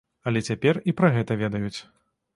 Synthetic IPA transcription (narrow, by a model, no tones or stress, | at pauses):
ɐlʲɛt͡sʲapʲɛripɾɐɣɛt̪ɐvʲɛd̪ɐjut͡sʲ